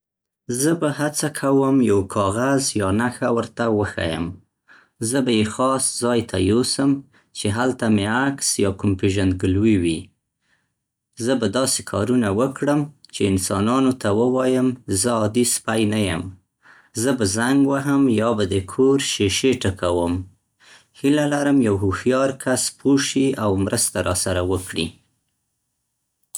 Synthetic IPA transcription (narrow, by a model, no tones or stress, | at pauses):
zəbahat͡sakʰawəmjawkʰɑɣazjɑnaxawəɾt̪awəxa̰jə̰m | zəbajexɑszɑjt̪ʰajosəm | t͡ʃeɦalt̪ameaksjɑkʊmpeʒand̪̚ɡəlwiwi | zəbad̪ɑse̥kʰɑɾunawəkɽəmt͡ʃeɪnsɑnɑnot̪awəwɑjəmzəɑd̪ispajnajəm | zəbazaŋɡwaɦəmjɑbad̪əkʰoɾʃeʃeʈəkawəm | hilalaɾəmjawɦuhjɑɾkʰaspʰoʃiawmɾəst̪aɾʔɑsaɾawəkɽḭ